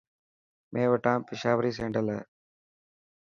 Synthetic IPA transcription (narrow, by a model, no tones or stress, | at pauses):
mʔẽːʋəʈãːpɪʃaːʋɾiːs̬ẽːɳɖəlaː